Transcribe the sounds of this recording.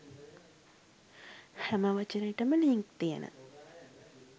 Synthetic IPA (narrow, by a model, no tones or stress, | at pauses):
hæməʋət͡ʃənəjʈəməliŋk̚t̪ijə̰nʔə̰